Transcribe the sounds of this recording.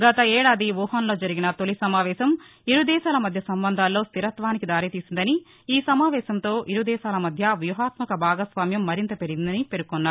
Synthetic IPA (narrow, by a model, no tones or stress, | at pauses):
ɡɐt̪ɐɛːɽaːd̪iʋuːɦanlo̞ːd͡ʒɐɾiɡinɐt̪olisɐmaːʋɛːʃɐm | iɾud̪ɛːʃaːlɐmɐd̪ʱjɐsɐmbɐnd̪ʱaːlːo̞ːst̪iɾɐt̪ʋaːnikid̪aːɾit̪iːsind̪ɐni | iːsɐmaːʋɛːʃɐnt̪o̞ːʔiɾud̪ɛːʃaːlɐmɐd̪ʱjɐʋjuɦaːt̪mɐkɐbʱaːɡɐsʋaːmjɐmːɐɾint̪ɐpeɾiɡind̪ɐnipe̞ɾukːɔnːaːɾ